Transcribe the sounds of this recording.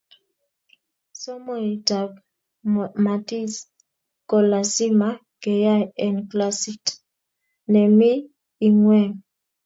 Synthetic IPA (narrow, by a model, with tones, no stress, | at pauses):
so˦mo˦i˨ta˨b | ma˨ti˦s | kɔ˨la˨si˦ma˨ | kɛ˨ja˦jɛ˨nkla˦si˦t | nɛ˨mi˦ | i˨ŋwɛ˦˨ŋ